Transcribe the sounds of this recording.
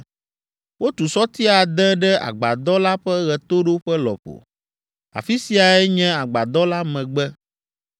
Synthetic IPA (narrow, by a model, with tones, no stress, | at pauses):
wo˦t̪u˨sɔ˦t̪i˦a˨d̪ɛ̃˦ɖɛ˦a̰˨ɡ͡ba˨d̪ɔ˦la˦ɸɛ˦ɣɛ˨t̪o˦ɖo˦ɸɛ˦lɔ̰˨ɸo̰˨ | a̰˨fi˦si˨a˨ɛ˦ɲɛ̃˦a˨ɡ͡ba˨d̪ɔ˦la˦mɛ̃˨ɡ͡bɛ˦